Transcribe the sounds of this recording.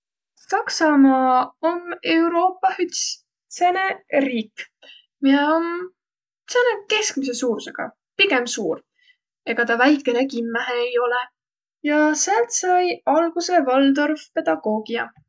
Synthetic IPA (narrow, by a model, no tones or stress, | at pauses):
sɑksɑmɑːome̞wɾo̞ːpːˑɑhyt̪s | se̞ne̞riːk | mijeom | seneke̞skmis̬e̞suːɾse̞ɡ̥ɑ̰ | piɡ̥e̞msuːr | e̞ɡ̥ɑt̪ɑvæjkːˑe̞ne̞kimːæɦeːjo̞le | jɑseɑlt̪sɑjɑlɡ̥use̞vɑld̪̥orfpe̞d̪̥ɑɡ̥o̞ːɡ̥iɑ̰